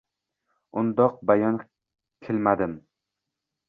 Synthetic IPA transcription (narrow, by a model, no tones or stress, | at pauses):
ʊnd̪ɒq̚bajɒn | kʲʰɪlmad̪ɪm